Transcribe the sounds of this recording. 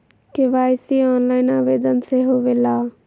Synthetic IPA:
keʋaːjsiːɔːnlaːɪnaːʋeːd̪ənseɦoʋeːlaː

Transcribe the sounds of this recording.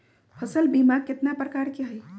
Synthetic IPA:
pʰəsəlbimaɡ̚ket̪napɾəkaɾkeɦəj

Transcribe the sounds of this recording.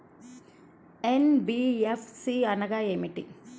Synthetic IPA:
enbiepʰsiɐnɐɡaeːmiʈḭ

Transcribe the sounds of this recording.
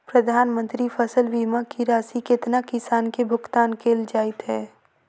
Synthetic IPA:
pɾɐd̪ʱaːnmə̃nt̪ɾifʰəsəlʋimakiɾaːsikɪt̪nakɪsaːnkebʱʊkt̪aːnkʰeːld͡ʒaːɪt̪ɦɛː

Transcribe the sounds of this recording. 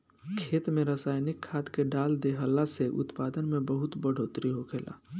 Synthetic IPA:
kʰeːt̪mẽɾəsaːjnɪkʰːaːt̪keɖaːld̪eɦəlːaseʔʊ̰t̪paːd̪ənmẽbəɦʊt̪bəɽ̤ʱoːt̪ɾiɦokʰeːla̰ː

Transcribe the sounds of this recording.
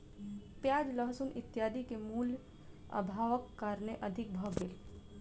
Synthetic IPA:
pjaːd͡ʒləɦsunʔɪt̪ːjaːd̪ikemuːl | ə̰bʱaːʋəkːaɾneʔəd̪ʱɪk̚bʱəɡel

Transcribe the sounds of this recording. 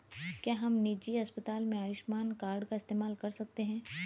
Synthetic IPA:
kjaːɦɐmnid͡ʒiɐspət̪aːlmẽaːʋɪʃmaːnkaːɾɖkaɪst̪eːmaːlkɐɾsɐk̚t̪eɦɛ̃ː

